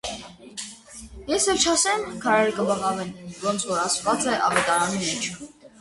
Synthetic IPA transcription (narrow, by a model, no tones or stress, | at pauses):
jɛsɛvt͡ʃʰɑsɛmkʰɑɾɛɾəkəbɑʁɑvɛnvɔnt͡sʰvɔɾɑsvɑt͡sɛʔɑvɛt̪ɑɾɑnimɛt͡ʃʰ